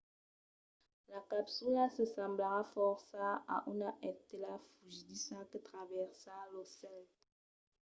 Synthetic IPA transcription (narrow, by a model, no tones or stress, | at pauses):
lakapsulasəsãmblaʁafɔʁsaa̰ʔunaʔɛtelafuʒdisakətʁavɛʁsalosɛl